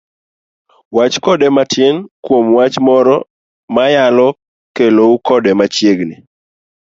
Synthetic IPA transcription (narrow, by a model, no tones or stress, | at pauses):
wat͡ʃkɔdɛmatʰjenkwomwat͡ʃmɔɾɔ | majalɔ | keloukɔdɛmat͡ʃjeɡnɪ̰